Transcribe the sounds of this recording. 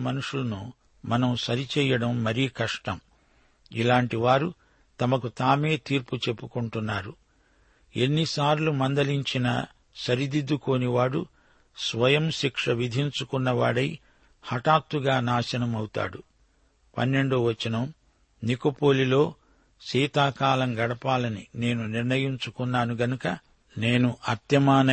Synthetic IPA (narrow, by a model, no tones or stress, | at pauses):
mɐnuʂulɐnu | mɐnɐmsɐɾit͡ʃɛːjɐɽɐmːɐɾiːkɐʂʈɐm | ilaːɳʈiʋaːɾu | t̪ɐmɐkut̪aːme̞ːt̪iːɾput͡ʃe̞pːukuɳʈunːaːɾu | e̞nːisaːɾlumɐnd̪ɐliɲt͡ʃinɐ̰ | sɐɾid̪id̪ːuko̞ːniʋaːɽu | sʋɐjɐmʃikʂɐʋid̪ʱiɲt͡ʃukunːɐʋa̰ːɽɐj | hɐʈaːt̪ːuɡaːnaːʃɐnɐmɐwut̪a̰ːɽu | pɐ̰nːe̞ɳɖuʋɐt͡ʃːɐnɐm | nikopoːlilo̞ː | ʃiːt̪aːkaːlɐŋɡɐɽɐpaːlɐnine̞ːnuniɾnɐjiɲt͡ʃukunːaːnuɡɐnukɐ | ne̞ːnuʔɐɾt̪jɐmaːnɐ